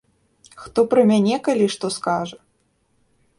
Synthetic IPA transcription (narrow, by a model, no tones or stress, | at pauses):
xt̪ɔpɾɐmʲanʲɛkalʲiʂt̪ɔskaʐɐ